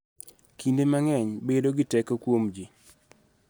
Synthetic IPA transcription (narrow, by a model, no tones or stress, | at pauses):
kindemaŋɛɲbedoɡɪtɛkokwomd͡ʒi